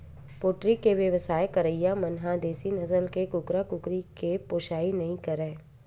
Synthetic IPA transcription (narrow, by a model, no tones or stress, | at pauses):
poːʈɾikeʋjəʋəsaːekɐɾəjamɐnɦãd̪eːsinɐzəlkekʊkɾakʊkɾikepoːʃaːinɐɦĩkɐɾẽː